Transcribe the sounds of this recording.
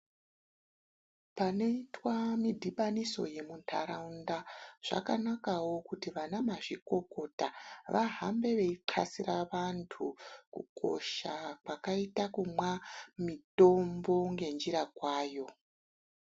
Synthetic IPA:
pane̞itwamidʱiɓaniso̞̰je̞muntʰa̰ɾaundaʐ̥a̰kanakawo̞kutiʋanamaʐiko̞ko̞taʋaɦambe̞ʋe̞iǃʰasiraʋantʰukṵkʰo̞̰ʃakwakaitakumwamito̞mbo̞ŋɡe̞nd͡ʒiɾakwaːjo̞

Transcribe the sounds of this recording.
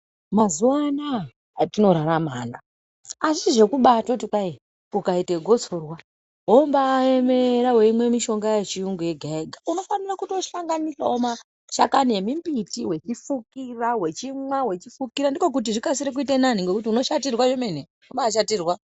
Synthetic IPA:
mazuwana | tino̞ɾaɾama̰ːna | aʐiiʐe̞kuɓatotikai | ukaite̞ɡʱo̞t͡sorwa | ɦombaːeme̞ɾawe̞imwe̞miʃo̞ŋɡajet͡ʃiuŋɡoje̞ɡʱaeɡʱauno̞fanirakutoʃaŋɡanisaoma | ʃakanie̞mimbitiwe̞t͡ʃifukirawe̞t͡ʃimwawe̞t͡ʃifukiɾandiko̞k̬ut̬iʐikasiɾek̬uite̞naniŋɡekutiuno̞ʃatirwaʐeme̞n̤e | ombaːʃatiːrwa

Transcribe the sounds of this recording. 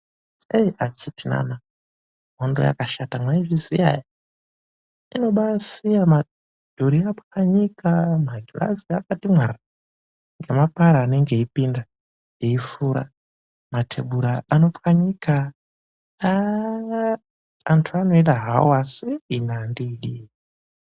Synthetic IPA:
ejat͡ʃitina̰na | ɦondoja̰kaʃatamaiʐizija̰ji | ino̞ɓasijama | d̥ʱuɾiapkaɲikamaɡʱila̰ziakatimwara | ŋɡemapaɾaːne̞ŋɡe̞ipinda | eifuɾa̰ | matʰe̞̰ɓuɾaʔano̞pkaɲika | aŋɡaː | ntʰuano̞iɗaɦaoasiinandiːɗi

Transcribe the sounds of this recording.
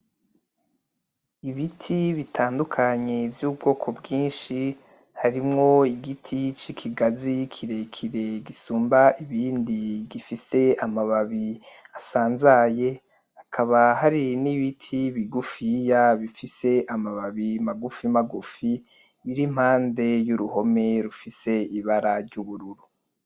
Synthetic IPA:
iβitʰiβitʰaːndukʰaɲevjuːbɡo̞ːkʰo̞bɡiːnʃi | haɾimŋo̞iɡitʰit͡ʃikʰiɡazikʰiɾe̞kʰiɾe̞ɡisuːmbaiβiːndiɡifise̞amaβaβiasaːnzaje̞ | hakʰaβahaɾiniβitʰiβiɡufijaβifise̞ʔamaβaβimaɡufimaɡufi | βiɾim̥haːnde̞juɾuho̞me̞ɾufise̞iβaɾaɾɟuβuɾuɾu

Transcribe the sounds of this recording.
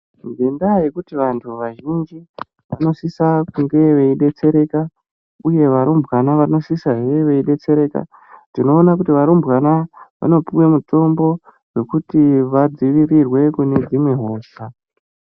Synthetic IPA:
ŋɡendajekutiʋantʰuʋaʒind͡ʒi | ʋa̰no̞sisakuŋɡe̞ʋe̞iɗe̞t͡se̞ɾe̞ka | uje̞ʋaɾombʱɣanaʋano̞sisaɦeʋe̞iɗe̞t͡se̞ɾe̞ka̰ | tino̞ːnakutiʋaɾombɣanaʋa̰no̞piwe̞muto̞mbo̞ | we̞kutiʋad͡ziʋirirwe̞kune̞d͡zimwe̞ɦo̞ːsa

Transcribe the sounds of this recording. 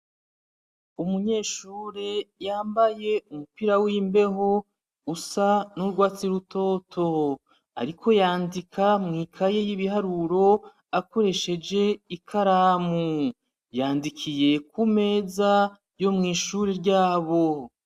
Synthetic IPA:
umuɲe̞ːʃuːɾe̞jaːmbaje̞umupiɾawiːmbe̞ɦo̞ | usanuɾɡwaːt͡siɾutʰo̞tʰo̞ | a̰ɾikʰo̞jaːndikʰamŋiːkʰaje̞jiβihaɾuɾo̞ | ako̞ɾe̞ʃe̞d͡ʒe̞ikʰaɾaːmu | jaːndikʰije̞k̚ume̞ːza | jo̞mŋiːʃuːɾe̞ɾɟaːβo

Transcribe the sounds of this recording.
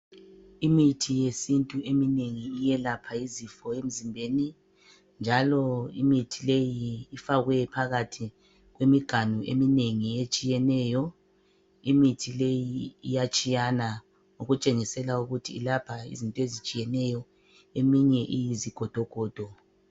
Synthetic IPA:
imitʰijesintʼuʔemineŋiːjɛlapʰaizifɔem̩zimbʱeni | nd͡ʒʱalɔimitʰilejiːfaɣwɛpʰaɣatʰi | ɣwemiɡ̥ʱanuʔḛmineŋiet͡ʃʼijɛnɛːjɔ | imitʰilejiːjat͡ʃʼijana | uɣut͡ʃʼeŋisɛlauɣutʰilapʰaḭzintʼɔezit͡ʃʼijɛnɛjɔ | emiɲɛʔijiziɡ̥ʱɔd̥ʱɔɡ̥ʱɔːd̥ʱɔ

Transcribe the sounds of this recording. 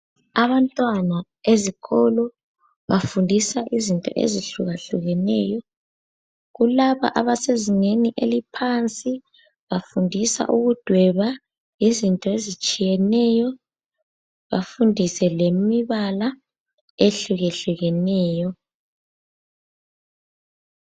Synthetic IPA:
aβantʼwana | eziɣʰɔlɔ | βafundʱisaʔizintʼɔ̰ʔḛziɬuɣaɬuɣɛnɛ̰jɔ | ɣulaβa̰ʔaβaseziŋeniʔelipʰant͡sʼi | βafundʱisa̰ʔuɣud̥ʱwɛβa | izintʼɔezit͡ʃʼijɛnɛjɔ | βa̰fundʱisɛlemiβala | eɬuɣeɬuɣɛnɛːjɔ

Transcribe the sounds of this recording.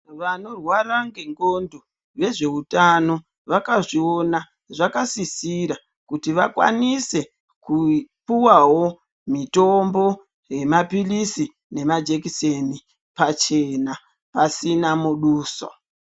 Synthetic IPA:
ʋano̞rwaɾaŋɡeŋɡo̞ndo | ʋe̞ʐe̞utano̞ | ʋakaʐio̞na | ʐakasisiɾa | kutiʋakwa̰nise̞ | kupuwawo̞ | mitombo̞ | je̞mapilisi | ne̞mad͡ʒe̞kiseni | pat͡ʃe̞na | pasinamuɗuːso̰

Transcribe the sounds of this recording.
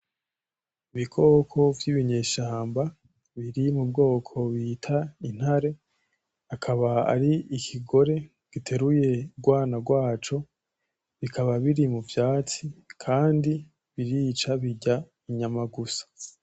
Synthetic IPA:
iβikʰo̞ːkʰo̞vjiβiɲe̞ːʃaːmba | βiɾimub̚ɡo̞ːkʰo̞βitʰain̥haɾe̞ | akʰaβaa̰ɾiikʰiɡo̞ɾe̞ | ɡ̥itʰe̞ɾuje̞ɡwaːnaɡwaːt͡ʃo̞ | βikʰaβaβiɾimuvjaːt͡sikʰaːndi | βiɾiːt͡ʃaβiɟa | iɲamaɡusḁ

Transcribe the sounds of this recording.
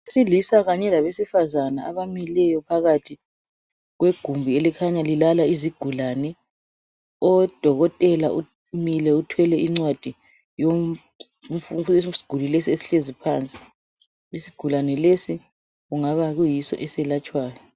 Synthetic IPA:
esilisaɣaɲɛlaβesifazanaaβamilɛjɔpʰaɣatʰi | ɣweɡ̥ʱumbʱielikʰaɲalilalaiziɡ̥ʱulanɛ | ɔd̥ʱɔɣɔtʼɛlaʔu | milɛutʰwɛlɛʔiŋ͡ǀwad̥ʱi | jo | fusi̥ɡ̥ʱulilesiesi̥ɬezipʰaːnt͡sʼi̥ | isiɡ̥ʱulanɛlesi | ɣuŋaβaɣujisɔ̰ʔɛsɛlat͡ʃʼwaːjɔ

